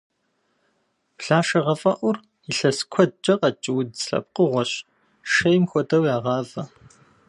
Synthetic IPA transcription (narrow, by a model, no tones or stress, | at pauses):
pɬaːʃɐʁɐfʼɐʔʷʊr | iɬɐskʷʰɔd̚t͡ʃʼɐqɐt͡ʃʼɪwʊdɬɐ̰p̚qʼəʁʷɔɕ | ʂɐjmxʷɔdɐwjaːʁɑːvɐ